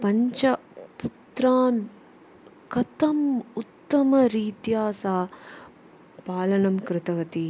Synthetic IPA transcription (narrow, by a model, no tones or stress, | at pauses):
pɐɲt͡ʃɐput̪ɾaːn | kɐt̪ɐmut̪ːɐmɐɾiːt̪jaːsaː | paːlɐnɐmkɾɪt̪ɐʋɐt̪i